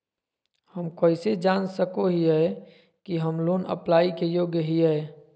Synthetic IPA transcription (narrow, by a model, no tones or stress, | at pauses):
həmkoːɪsed͡ʒaːnsəkoɦiɦɛ | kiɦəmloːnə̰plaːikejoːɡjəɦiɦɛː